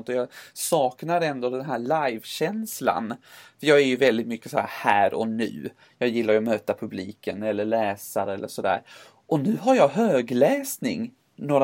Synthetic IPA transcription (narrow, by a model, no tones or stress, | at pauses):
nt̪ɔjɑsɑːknaɾɛnd̪ɔd̪ɛnɦæːɭajvɕɛnsla̰nfœɾjɑːɡæɾjɵvɛld̪ɪt̪mʏkːəsɔæ̰ːɾhæːɾɔ̰nʉ̟̰ː | jɑːjɪlːaɾjɔmøːt̪apʰɵbliːkənɛlːəɭɛːsaɾɛlːə̰ʂɔd̪æ̰ːɾ | ʔɔnʉ̟ːɦaɾjɑɦøːɡlɛːsnɪ̰ŋ | noːɾ